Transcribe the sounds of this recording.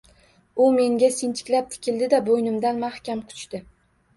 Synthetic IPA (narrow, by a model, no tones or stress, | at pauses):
ʊme̞ŋɡʲasɪnt̪ʰɪ̥kʲlap̚t̪ʰɪ̥kʲʰɪld̪ɪd̪abojnɪmd̪anmahkʲamqʰʊ̥t͡ʃt̪ɪ